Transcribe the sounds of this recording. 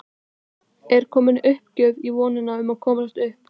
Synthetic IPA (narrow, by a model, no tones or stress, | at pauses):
ɛɾ̥kʰɔːmɪnʏhpcœːɥvivɔːnɪnaʏmaðkʰɔːmasst̪ʏhp̚